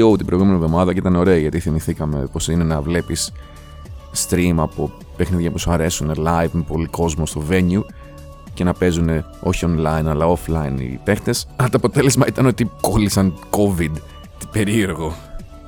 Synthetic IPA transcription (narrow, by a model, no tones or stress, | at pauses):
out̪ibɾojɣume̞nivðo̞mɐðɐcit̪ɐno̞ɾe̞ɐiʝɐt̪iθimiθikɐme̞̰po̞sine̞nɐvle̞pis | t̪ɾimɐpo | pexniðʝɐpusɐɾe̞sunelɐjvmepo̞liko̞zmo̞st̪o̞ve̞ɲu | ce̞nɐpe̞zune̞o̞çio̞nlɐinɐlɐo̞flɐinḭpe̞xt̪e̞sɐlɐt̪oɐpo̞t̪e̞le̞zmɐit̪ɐno̞t̪iko̞lisɐnko̞vid̪ | t̪i̥pe̞ɾie̞ɾɣo̞